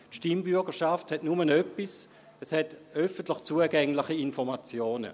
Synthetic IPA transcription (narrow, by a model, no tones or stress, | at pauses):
tʃtimbyɐɡəʃafthɛtnumənœpːis | ɛshɛtœfəntlɪχt͡suəɡɛŋlɪχiinfɔʁmat͡sjoːnə̰